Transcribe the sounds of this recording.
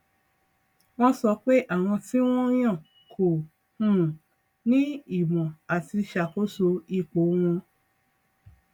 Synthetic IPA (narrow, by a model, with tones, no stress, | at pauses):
w̃ɔ̃˦sɔ˧k͡pe˦ʔa˦˨w̃ɔ̃˧ti˦w̃ɔ̃˦j̃ã˦˨ | kʰo˨ | ũ˦ũ˨ | nĩ˦i˦˨mɔ̃˨a˨ti˧ʃa˨ko˦so˧i˦˨k͡po˨˦w̃ɔ̃˧